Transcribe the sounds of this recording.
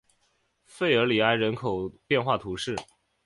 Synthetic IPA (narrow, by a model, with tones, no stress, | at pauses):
fe˥˩ɪə˞˧˥li˨˩a˥ɪɻə˧˥nkʰo˨˩ʊpjɛ˥˧nxwa˥˩t̪ʰu˧˥ʂɻ̩˥˩